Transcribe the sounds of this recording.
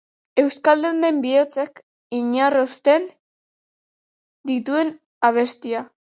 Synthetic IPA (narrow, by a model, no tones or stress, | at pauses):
e̞wskald̪eund̪e̞mbiot͡sek | iɲarost̪e̞n | d̪it̪ue̞n | aβ̞e̞st̪ia